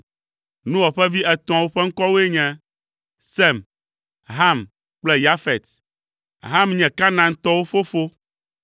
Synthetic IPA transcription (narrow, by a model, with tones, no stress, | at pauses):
nũ˦wɔ˨ɸɛ˦vi˦ʔɛ˨t̪ɔ̃˨ã˨wo˦ɸɛ˦ŋ̩˦kɔ˦wo˦e˦ɲɛ̃˦ | sɛ˦˨m | ɦa˦˨m | k͡plɛ˦ja˦fɛ˨t̪ | ɦa˦mɲɛ̃˨ka˦nã˨ŋ̩˦t̪ɔ˦wo˦fo˦fo˦